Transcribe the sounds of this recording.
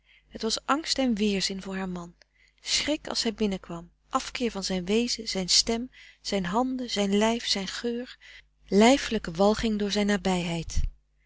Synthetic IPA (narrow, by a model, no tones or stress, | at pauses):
ɦətʋɑsʔɑŋstɛnʋɪːɹzɪnvʊːɹɦaːɹmɑn | srɪkɑ̰lˠshɛjbɪnəkʋɑm | ʔɑfkɪːɹvɑnzɛjnʋejzəz̥ɛjnstɛmz̥ɛjnɦɑndəz̥ɛjnlɛjfsɛjnχøːɹ | lɛjfələkəʋɑlˠχɪŋdʊːɹzɛjnːaːbɛjɦɛjt